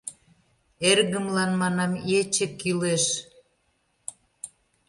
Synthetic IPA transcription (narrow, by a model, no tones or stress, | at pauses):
erɣə̆mlɑnmɑnɑmjet͡ɕĕkːileʃ